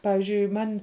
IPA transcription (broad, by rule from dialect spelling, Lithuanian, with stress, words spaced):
ˈpɑːʋʲɪzʲd͡ʒʲʊɪ ˈmɐnʲ